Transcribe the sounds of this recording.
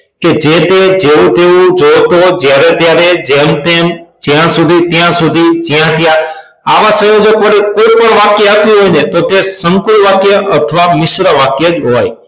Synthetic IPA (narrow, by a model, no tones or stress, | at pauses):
ked͡ʒet̪ed͡ʒeũt̪eũd͡ʒot̪od͡ʒjaɾet̪jaɾed͡ʒemt̪emd͡ʒjãsud̪ʱit̪jãsud̪ʱid͡ʒjãt̪jã | aʋãsə̃jod͡ʒəkʋəɾekojpəɳʋakjəapjũɦojnet̪ot̪esəŋkulʋakjəʔət̪ʰəʋamɪʃɾəʋakjəd͡ʒɦɔj